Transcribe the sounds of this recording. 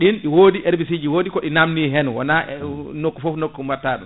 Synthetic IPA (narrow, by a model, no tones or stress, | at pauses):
ɗinɗiwoːdiʔɛɾbis̬id͡ʒiwoːdikɔɗinamniɦɛnwɔ̰nanokːufɔfnokːumaɾtaːɗṵm